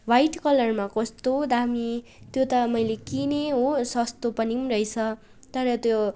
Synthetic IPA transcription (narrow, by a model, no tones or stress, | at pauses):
bʱajʈkʌlʌrmakʌst̪od̪ami | t̪jot̪ʌmʌjlekineɦosʌst̪opʌnimrʌjt͡sʰʌ | t̪ʌɾʌt̪jo